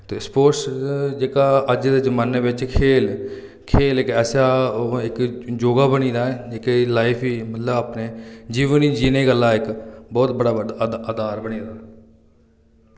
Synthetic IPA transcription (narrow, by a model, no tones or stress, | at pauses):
t̪eːspoːɾsd͡ʒeːkaːəd͡ʒd̪eːzəmaːneːʋɪt͡ʃkʰeːl | kʰeːlɪkɛːsaːɪkd͡ʒoːɡaːbəɽ̃iːd̪aːɪkelaːɪpʰiːmət̪ləbaːpneːd͡ʒiːʋəniːd͡ʒiːneːɡəlːaːɪkbɔːt̪bəɽaːɖ̪əd̪aːɾbəɽ̃iːd̪aː